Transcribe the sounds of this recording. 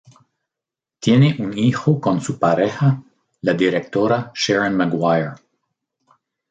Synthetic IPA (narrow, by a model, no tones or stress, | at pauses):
t̪jeneʔunixokonsupaɾexa | lad̪iɾek̚t̪oɾaʃɛɾanmaɡwajeɾ